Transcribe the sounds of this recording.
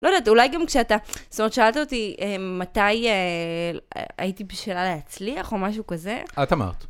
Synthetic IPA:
lo̞dat̪ulajɡamkʃeat̪astomeetʃaaltaot̪iemat̪ajḛ | a̰itibiʃelaleɦat͡sliaχo̞maʃ̬ukaze̞̰at̪ama̰ʁt̪

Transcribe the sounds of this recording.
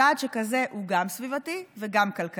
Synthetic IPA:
aːd̪ʃekaze̞ʔuɡamsvivativeɡamkalk

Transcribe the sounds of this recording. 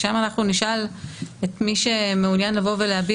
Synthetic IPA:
ʃamanaχnuniʃaletmiʃe̞meunjanlavo̞veleabi

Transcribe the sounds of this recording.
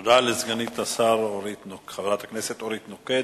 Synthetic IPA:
d̪alezɡanit̪asaɾoɾit̪nokχavɾat̪akneset̪oɾit̪noked

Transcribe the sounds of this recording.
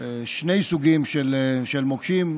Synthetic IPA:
ʃne̞jsuɡimʃelʃelmokʃim

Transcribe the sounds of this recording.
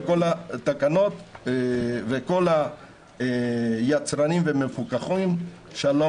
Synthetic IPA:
ko̞lat̪akano̞t̪ | veko̞la | jat͡sɾanimvemefukaχim | ʃalo

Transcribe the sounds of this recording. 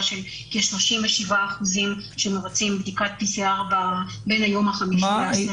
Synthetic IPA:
ʃel | keʃlo̞ʃimveʃivaːχuzimʃemeʁat͡simbd̪ikat̪̚piseaʁbabenajo̞mhaχamiʃieas

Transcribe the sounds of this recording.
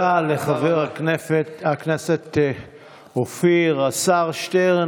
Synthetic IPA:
aleχaveʁatakneset̪ | ofiʁasaʁʃt̪eʁ

